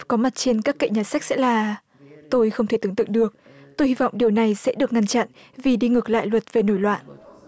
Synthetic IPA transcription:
kɔ˨˦ma˨˩t̚t͡ɕe˧nkaː˦˥kːə̰˧˨jɲaː˨˩sa˦˥k̟̚sɛ̰˧˥laː˨˩ | t̪o˧jxə˧wŋ͡mt̪ʰe˧˩t̪ɨ˨˦ŋt̪ɨ̰˧˨ŋɗɨ˨˩ək̚ | t̪o˧jhi˧vɔ̰˧˨wŋ͡mɗi˨˩əwna˨˩jsɛ̰˧˥ɗɨ˨˩ək̚ŋa˧nt͡ɕa̰˧˨n | vi˨˩ɗi˧ŋɨ˨˩k̚la̰ː˧˨jlwə˨˩t̚ve˨˩no˧˩jlwa̰ː˧˨nʔ

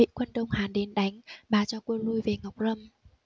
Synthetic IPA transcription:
ḭ˧˨kwə˧nɗə˧wŋ͡mhaː˨˩nɗe˨˦nɗa˨˦jŋ̟ɓaː˨˩t͡ɕɔ˧ku˧ənlu˧jve˨˩ŋa˨˩wk͡p̚zə˧m

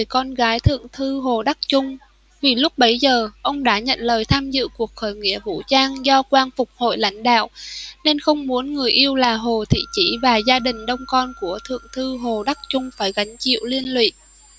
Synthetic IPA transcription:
jkɔ˧nɣaː˨˦jt̪ʰɨ̰˧˨əŋt̪ʰɨ˧ɦo˨˩ɗa˦˥k̚t͡ɕʊ˧ŋ͡m | vi˨˩lʊ˦˥k͡p̚ɓə˨˦jzəː˨˩ʔə˧wŋ͡mɗa̰ː˧˥ɲə̰˧˨nləː˨˩jt̪ʰaː˧mzɨ̰˧˨ku˨˩ək̚xo˧˨˩jŋḭ˧˥əvṵ˧˥t͡ɕaː˧ŋzɔ˧kwaː˧nfʊ˨˩k͡p̚ho̰˧˨jla̰˧˥jŋ̟ɗa̰ː˧˨wne˧nxə˧wŋ͡mmu˨˦ənŋɨ˨˩əjʔi˧əwlaː˨˩ɦo˨˩t̪ʰḭ˧˨t͡ɕi˧˩vaː˨˩zaː˧ɗï˨˩ŋ̟ɗə˧wŋ͡mkɔ˧nku˧˩ət̪ʰɨ̰˧˨əŋt̪ʰɨ˧ɦo˨˩ɗa˦˥k̚t͡ɕʊ˧ŋ͡mfaː˧˩jɣa˨˦jŋ̟t͡ɕḭ˧˨əwli˧ənlwḭ˧˨

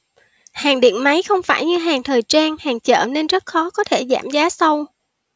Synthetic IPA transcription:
haː˨˩ŋɗḭ˧˨ənma˨˦jxə˧wŋ͡mfaː˧˩jɲɨ˧ɦaː˨˩ŋt̪ʰəː˨˩jt͡ɕaː˧ŋhaː˨˩ŋt͡ɕə̰ː˧˩ne˧nzə˦˥t̚xɔ˨˦kɔ˨˦t̪ʰe˧˩za̰ː˧˩mzaː˨˦sə˧w

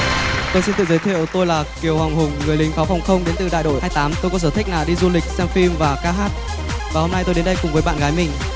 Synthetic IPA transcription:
t̪o˧jsi˧nt̪ɨ̰˧˨zə˨˦jt̪ʰḭ˧˨əwt̪o˧jlaː˨˩ki˨˩əwha˨˩ŋ͡mɦʊ˨˩ŋ͡mːɨ˨˩əjlï˨˦ŋ̟faː˨˦wfɔ˨˩wŋ͡mxə˧wŋ͡mɗe˨˦nt̪ɨ˨˩ɗa̰ː˧˨jɗo̰˧˨aː˧jt̪aː˨˦mt̪o˧jkɔ˨˦səː˧˩t̪ʰï˦˥k̚naː˨˩ɗi˧zu˧lï˨˩k̟̚sɛ˧mfi˧mvaː˨˩kaː˧ɦaː˦˥t̚ | vaː˨˩ho˧mna˧jt̪o˧jɗe˨˦nɗə˧jkʊ˨˩ŋ͡mvəː˨˦jɓa̰ː˧˨nɣaː˨˦jmï˨˩ŋ̟

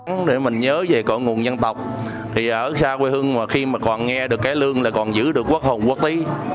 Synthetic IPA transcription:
ŋɗe˧˩mï˨˩ŋ̟ɲəː˨˦ve˨˩kɔ̰˧˨ŋu˨˩ənzə˧nt̪ə˨˩wk͡p̚ | t̪ʰi˨˩ʔəː˧˩saː˧kwe˧hɨ˧ŋmaː˨˩xi˧maː˨˩kɔ˨˩nŋɛ˧ɗɨ˨˩əkːaː˨˦jlɨ˧əŋlaː˨˩kɔ˨˩nzɨ̰˧˥ɗɨ˨˩əkːu˦˥k̚ho˨˩ŋ͡mkwaː˦˥k̚t̪i˨˦

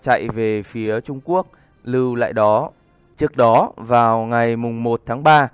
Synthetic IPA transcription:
t͡ɕa̰˧˨jve˨˩fi˨˦ət͡ɕʊ˧ŋ͡mku˦˥ək̚ | lɨ˧wla̰ː˧˨jɗɔ˨˦ | t͡ɕɨ˦˥ək̚ɗɔ˨˦vaː˨˩wŋa˨˩jmʊ˨˩ŋ͡mmo˨˩t̚t̪ʰaː˨˦ŋɓaː˧

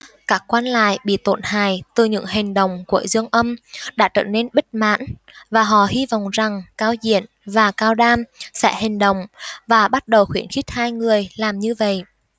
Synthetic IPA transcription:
kaː˦˥kːwaː˧nla̰ː˧˨jɓḭ˧˨t̪o˧˩nha̰ː˧˨jt̪ɨ˨˩ɲɨ̰˧˥ŋhï˨˩ŋ̟ɗə̰˨˩wŋ͡mku˧˩əzɨ˧əŋʔə˧mɗa̰ː˧˥t͡ɕə̰ː˧˩ne˧nɓi˦˥t̚ma̰ː˧˥nvaː˨˩ɦɔ̰˧˨hi˧vɔ̰˧˨wŋ͡mza˨˩ŋkaː˧wzḭ˧˨ən | vaː˨˩kaː˧wɗaː˧msɛ̰˧˥hï˨˩ŋ̟ɗə̰˧˨wŋ͡mvaː˨˩ɓa˦˥t̚ɗə˨˩wxwi˧˩ənxi˦˥t̚haː˧jŋɨ˨˩əjlaː˨˩mɲɨ˧və̰˧˨jʔ

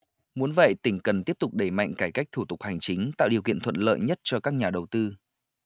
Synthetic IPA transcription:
mu˨˦ənvə̰˧˨jt̪ï˧˩ŋ̟kə˨˩nt̪i˦˥əp̚t̪ʊ˨˩k͡p̚ɗe˧˩ma̰˧˨jŋ̟kaː˧˩jka˦˥jk̚t̪ʰu˧˩t̪ʊ˨˩k͡p̚ha˨˩jŋ̟t͡ɕï˨˦ŋ̟t̪a̰ː˧˨wɗi˨˩əwkḭ˧˨ənt̪ʰə̰˧˨nlə̰ː˧˨jɲə˦˥t̚t͡ɕɔ˧kaː˦˥k̚ɲaː˨˩ɗə˨˩wt̪ɨ˧

